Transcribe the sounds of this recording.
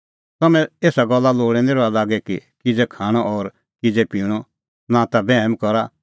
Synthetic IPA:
t̪ɐmɛ̃eːsaɡɔlːaloːɽ̃ɛ̃neɾoalaːɡɛkikɪd͡zɛkʰaːɽ̃ɔʔɔɾ | kɪd͡zɛpiːɽ̃ɔ | nãt̪abɛɦmkɔɾa

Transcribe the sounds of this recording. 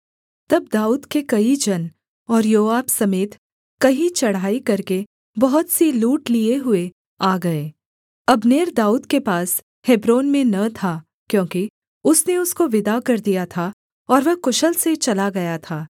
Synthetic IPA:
t̪ɐbd̪aːuːd̪kekɐid͡ʒɐn | ɔːɾjoːaːbsɐmeːt̪ | kɐɦit͡ʃɐɽ̤aːikɐɾke | bɐɦʊt̪siluːʈlieɦʊe | aːɡɐeː | ɐbneːɾd̪aːuːd̪kepaːs | hebɾoːnmẽnɐt̪ʰa | kjõːki | ʊsneʊskoʋɪd̪akɐɾd̪ijat̪ʰa | ɔːɾʋɐkʊʃəlset͡ʃɐlaɡɐjat̪ʰaː

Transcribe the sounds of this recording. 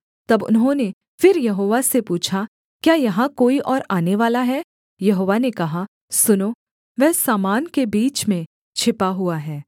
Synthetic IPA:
t̪ɐbʊ̰nɦõne | fɪɾjɐɦoːʋasepuːt͡ʃʰa | kjaːjɐɦãkoːiʔɔːɾaːneʋaːlaɦɛː | jɐɦoːʋanekɐɦa | sʊnoː | ʋɛɦsaːmaːnkebiːt͡ʃmẽ | t͡ʃʰɪpaɦʊaɦɛː

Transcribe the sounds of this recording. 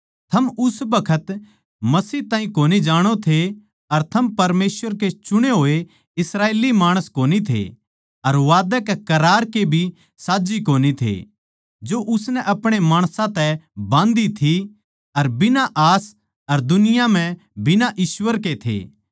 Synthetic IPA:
t̪ʰɐmʊsbɐkʰət̪ | mɐsiːɦt̪ãːɦĩkoːnid͡ʒaːɽ̃ot̪ʰe | ɐɾt̪ʰɐmpɐɾmeːswəɾket͡ʃʊɽ̃eɦoːe | ɪsɾaːeːlimaːɽ̃əskoːnit̪ʰḛ | ɐɾʋaːd̪əkɛkɐɾaːɾkebʱi | saːd͡ʒikoːnit̪ʰḛ | d͡ʒoʔʊsnɛʔɐpɽ̃emaːɽ̃sãt̪ɛbãːnd̪it̪ʰi | ɐɾbɪnaʔaːs | ɐɾd̪ʊnɪjam̤ɛ̃ | bɪnaʔiːʃwəɾket̪ʰḛː

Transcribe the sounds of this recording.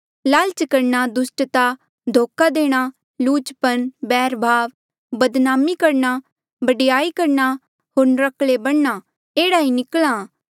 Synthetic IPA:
laːlt͡ʃkɐɾnad̪ʊsʈt̪a | d̪ʱoːkad̪eːɽ̃a | luːt͡ʃpɐnbɛːɾbʱaːʋ | bɐd̪naːmikɐɾna | bɐɖjaːikɐɾna | ɦoːɾnɾɐkʰlebɐɽna | eːɽainɪklaː

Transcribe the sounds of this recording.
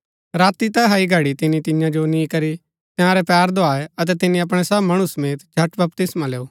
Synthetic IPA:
ɾaːt̪it̪ɛɦaːiɡʱɐɽit̪ɪnĩt̪ɪ̃jãd͡ʒonĩkɐɾi | t̪ɪ̃ãːɾɛpɛːɾd̪ʱoaːeɐt̪̬ɛt̪ɪnĩɐpɽ̃ɛsɐbmɐɽ̃usɐmeːt̪d͡ʒʱɐʈbɐp̚t̪ɪsmãleːoː

